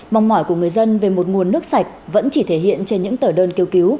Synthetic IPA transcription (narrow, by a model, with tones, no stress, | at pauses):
ɓa˨˩wŋ͡mmɔ˧˩jku˧˩əŋɨ˨˩əjzə˧nve˨˩mo˨˩t̚ŋu˨˩ənːɨ˦˥ək̚sa˨˩jk̟̚və̰˧˥nt͡ɕi˧˩t̪ʰe˧˩ɦḭ˧˨ənt͡ɕe˧nɲɨ̰˧˥ŋt̪əː˧˩ɗəː˧nki˧wki˨˦w